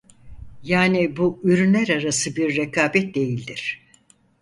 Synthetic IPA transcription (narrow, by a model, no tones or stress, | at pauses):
jaːnibuyɾynlʲæɾaɾasɯbiɾːekʰaːbɛt̪̚d̪e̞jilʲd̪iɾ̥